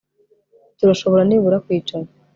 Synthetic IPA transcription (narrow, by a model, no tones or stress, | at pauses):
tuɾaʃo̞βo̞ɾaniβuɾakwiːt͡ʃaɾa